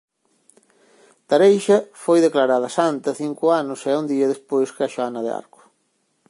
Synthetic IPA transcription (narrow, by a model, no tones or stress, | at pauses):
t̪aɾejʃɐfojðeklaɾaðɐsant̪ɐθiŋkʊanʊsɛund̪iɐðespojskɪaʃoanɐðea̰ɾkʊ̥